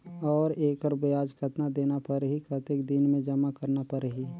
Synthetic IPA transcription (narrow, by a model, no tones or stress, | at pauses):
ɔːɾeːkəɾbəjaːd͡ʒkʰət̪nad̪eːnapəɾɦikət̪ekd̪ɪnmẽd͡ʒəmakəɾnapəɾɦi